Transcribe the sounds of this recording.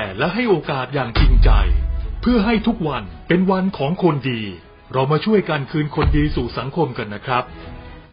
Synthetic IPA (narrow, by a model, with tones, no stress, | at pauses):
ɛ˨˩lɛ˦˥ɦa˥˩jʔoː˧kaː˨˩t̪̚jaː˨˩ŋt͡ɕi˧ŋt͡ɕa̰˧jpʰɯ˥˩ɐɦa˥˩jt̪ʰu˦˥k̚wa˧npe˧nwa˧nkʰɔː˩˦ŋkʰo˧ndiː˧ | ɾa˧wmaː˧t͡ɕʰu˥˩əjka˧nkʰɯː˧nkʰo˧ndiː˧suː˨˩sa˩˦ŋkʰo˧mka˧nːa˦˥kʰɾa˦˥p̚